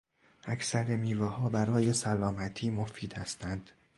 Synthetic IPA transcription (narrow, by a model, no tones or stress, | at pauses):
ʔæcsæɾemiːvehɒːbæɾɒːje̞sælɒːmæt̪ʰiːmofiːd̪hæst̪ʰænd̪̥